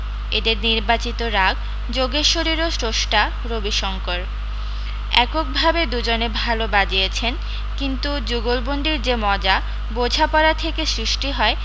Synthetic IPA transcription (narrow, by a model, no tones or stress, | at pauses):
ed̪eɾniɾbat͡ɕit̪oɾaɡ | d͡ʑoɡeʃoɾiɾosɾoʃʈa | ɾobiʃɔŋkoɾ | ɛkok̚bʱabed̪ud͡ʑonebʱalobad͡ʑijet͡ɕʰen | kint̪ud͡ʑuɡolbond̪iɾd͡ʑemɔd͡ʑa | bod͡ʑʱapɔɾat̪ʰekesɾiʃʈiɦɔe